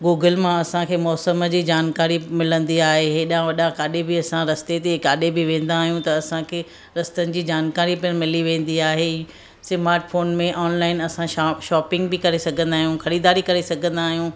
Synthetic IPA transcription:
ɡuːɡəlmãɐsãkʰeːmɔːsəməd͡ʑiːd͡ʑaːnkaːɾimɪlə̃nd̪iaːɦeɦeɗãʋɐɗãkaːɗebɪɐsãɾɐst̪et̪ekaːɗebɪʋẽːn̆d̪aːɦijũt̪ɐːsãkʰeː | ɾɐst̪ənɪ̆d͡ʑiːd͡ʑaːnkaːɾipɪənmɪliʋẽːn̆d̪iaːɦe | sɪmaːɾʈfoːnmẽʔɔːnlaːɪnɐsãʃɔːpɪ̃ŋɡ̚bɪkɐɾesɐɡʱə̃nd̪aːɦijũxɐɾiːd̪aːɾikɐɾesɐɡʱə̃nd̪aːɦijũː

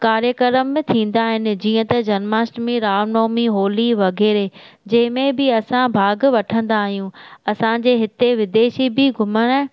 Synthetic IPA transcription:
kaːɾjəkəɾəmːẽt̪ʰĩːn̆d̪aːɦɪnɪ̆d͡ʑiːə̃t̪ɐd͡ʑɐnmaːsʈmẽɾaːnoːmiɦoːliʋɐɡʱeːɾe | d͡ʑɐ̃ɦɪ̃mẽbɪɐsãbʱaːɡʋɐʈʰə̃nd̪aːɦijũɐsãd͡ʑeːɦɪt̪eʋɪd̪eːʃibɪɡʱʊməɽ̃

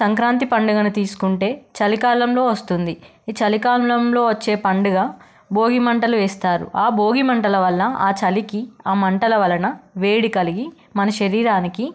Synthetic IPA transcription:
sɐŋkɾaːnt̪̬ipɐɳɖuɡɐnut̪iːsu̥kuɳʈe̞ːt͡ʃɐlikaːlɐmlo̞ːʋɐst̪und̪i | t͡ʃɐlikaːllɐmlo̞ːʋɐt͡ʃːe̞ːpɐɳɖuɡaː | bo̞ːɡimɐɳʈɐluʋeːst̪aːɾṵʔaːbo̞ːɡimɐɳʈɐlɐʋɐlːɐaːt͡ʃɐlikiaːmɐɳʈɐlɐʋɐlɐnɐʋeːɽikɐliɡi | mɐnɐʃɐɾiːɾaːniki

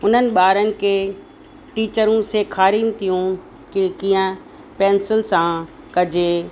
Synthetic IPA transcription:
ʊn̤ənɪ̆ɓaːɾənɪ̆ke | ʈiːt͡ɕəɾũsekʰaːɾiːnt̪ʰijũ | kikĩːə̃ | pɛ̃ːnsɪlsã | kɐd͡ʑʱeː

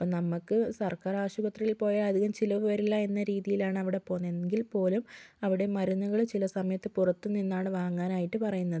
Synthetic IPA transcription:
pːonɐmːɐkːɨsɐrkaːɾaːɕubɐt̪rijilpo̞ːjɐɐd̪ʱiɣɐmt͡ɕilɐʋɨʋɐɾilːɐe̞nːɐɾiːðijilaːɳɨɐʋiɽe̞po̞ːnːeŋɡilpo̞ːlumɐʋiɽe̞mɐɾunːuɣɐɭt͡ɕilɐsɐmɐjɐt̪ːɨpurɐt̪ːunːinːaːɳɨʋaːŋːaːnaːjiʈːɨpɐrɐjunːɐðɨ

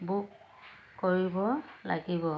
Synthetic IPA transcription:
buk | kːoɹibɔla̰ɡibɔ

